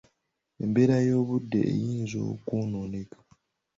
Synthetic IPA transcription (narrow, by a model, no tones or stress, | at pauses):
embe̞ɾajo̞ːβudːe̞̰ʔːjiːnzo̰kunoːnekḁ